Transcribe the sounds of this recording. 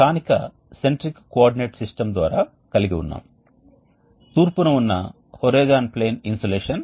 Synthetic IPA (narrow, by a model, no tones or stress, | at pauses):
kaːnikɐ | seɳʈɾikkoaːɾɖineːʈsisʈɐmd̪ʋa̰ːɾaː | kɐliɡiṵnːa̰ːm | t̪uːɾpunɐunːɐ̰ | hoɾeːd͡ʒaːnpleːninsoleːʂɐn